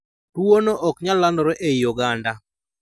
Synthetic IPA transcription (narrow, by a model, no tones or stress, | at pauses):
tuonoʔɔkɲalandɔɾɛʔejuɡanda